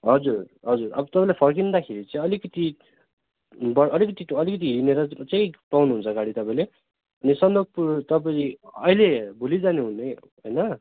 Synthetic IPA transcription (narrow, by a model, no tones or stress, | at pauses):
ɦʌd͡zur | ɦʌd͡zurʌ̰bʌt̪ʌpaĩlajpʰʌrkind̪akʰeɾit͡sʌ̃ĩʌlikʌt̪i | bʌʔʌlikʌt̪iʌlikʌt̪̬iɦineɾʌt͡sʌ̃j̃pawnuɦunt͡sʰʌɡaɽit̪ʌpãĩle | ʌnisʌnd̪oɡ̚put̪ʌpaiʌjlebʱulid͡zaneɦunʌj | ɦʌjnʌ